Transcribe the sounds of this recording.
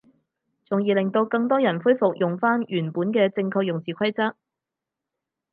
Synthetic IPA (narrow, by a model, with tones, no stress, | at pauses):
t͡sʊ˨ŋjiː˨lɪ˨ŋt̪o˧wkɐ˧ŋt̪ɔː˥jɐ˨˩nfuː˥jfʊ˨k̚jʊ˨˩ŋfaː˥njyː˨˩npuː˨˥nkɛː˧t͡sɪ˧ŋkʰɔː˧k̚jʊ˨ŋt͡siː˨kʰɐ˥jt͡sɐ˥t̚